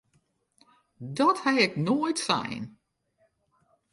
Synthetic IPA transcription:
dɔthaɪknoːjtsɛ̰jn

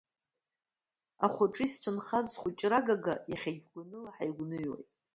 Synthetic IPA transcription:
aχʷʊʈ͡ʂʼist͡sʷʰɨnχazχʷʊt͡ʃʼraɡaɡajaχʲaɡʲɡʷanɨlaħajɡʷnɨɥwa̰jtʼ

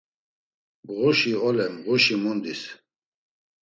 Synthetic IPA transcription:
ɣɔʃiɔlɛnʁɔʃimɔnd̪is

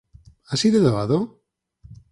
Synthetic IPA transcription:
asiðoðoaðo

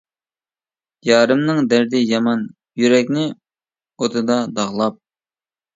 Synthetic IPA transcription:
jɑːɾɨmnɨŋd̪æɾd̪ɪjɑmɑn | jyɾɛkʲnɪ | ot̪ʰɨd̪ɑd̪ɑʁlˠɑp̚

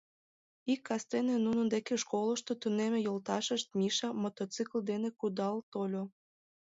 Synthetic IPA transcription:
ikːɑst̪enenunənd̪ekeʃkoləʃt̪ot̪unemejolt̪ɑʃəʃt̪̚mʲiʃɑmot̪ot͡sɨkld̪enekud̪ɑlt̪olʲo

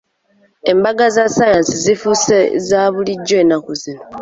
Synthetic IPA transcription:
e̞mbaɡazasajansizifusezaːβuliɟːoeːnakuzino

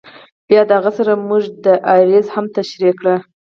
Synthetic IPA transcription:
b̥jɑd̪əhaɣasaɾamuʐd̪əʔaɾezhamt̪aʃɾikɽa

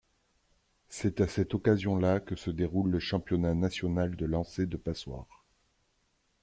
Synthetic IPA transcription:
sɛt̪asɛt̪ɔkazjɔ̃lakəsəd̪eʁulːəʃɑ̃pjɔnanasjɔnald̪əlɑ̃sed̪əpaswa̰ːʁ

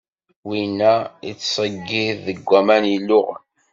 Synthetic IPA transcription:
winæit͡sːsˤəɡːiðːəɡʷːæmænilːʊʁn

